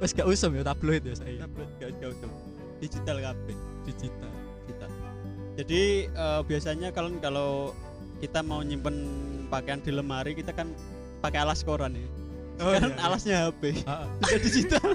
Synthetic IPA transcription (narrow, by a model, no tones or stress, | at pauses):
wɛsɡ̥aʔusʊmjat̪ab̥loɪt̪̚jasaabt̪̚ɡ̥aɡ̥ausʊm | d̥id͡ʒit̪alkabɪhd̥id͡ʒit̪aldid͡ʒit̪al | d͡ʒadiəb̥iasaɲakalənkalo | kit̪amauɲimpənpakeand̪̥i̤ləmɦaɾikit̪akan | pakealaskoɾanɪ | okaɾanalasɲaɦapeb̥isadid͡ʒit̪al